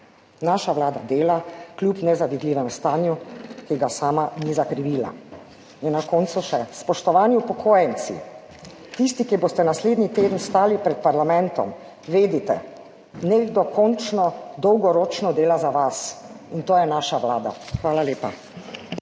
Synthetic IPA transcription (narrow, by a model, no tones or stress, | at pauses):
naːʃaʋlaːd̪ad̪eːlaklʲjupnɛzad̪id̪liːʋɛmst̪aːnjukiɡasaːmanizakɾiʋiːla̰ | innːakɔːnt̪suʃɛspɔʃt̪ɔʋaːnjiupɔkʰoːjɛnsḭ | t̪ist̪ikiboːst̪ɛnasleːd̪nit̪eːd̪ənst̪aːlipɾɛt̪̚paɾlamɛ̃nt̪ɔ̰m | ʋeːd̪it̪ɛ̰ | neːɡd̪ɔkɔnt͡ʃnɔd̪ɔwɡɔɾoːt͡ʃnɔd̪eːlazaʋas | int̪oːjɛnaːʃaʋlaːd̪a̰xʋaːlaleːpa̰